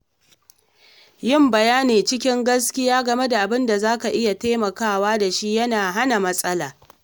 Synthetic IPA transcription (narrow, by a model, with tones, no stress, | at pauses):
jɪ˦˨mbɐ˨jaː˦neː˨t͡ʃɪ˦kʲɪ˦ŋɡɐ˦skʲɪ˦jaː˦ɡɐ˨me˦da˨ʔa˨bɪ˦nda˨zaː˦ka˨ʔɪ˦ja˨teː˦mɐ˨kaː˦˨waː˦da˨ʃi˦jɐ˦naː˨ɦa˦na˨mɐ˦sʼɐ˦laː˨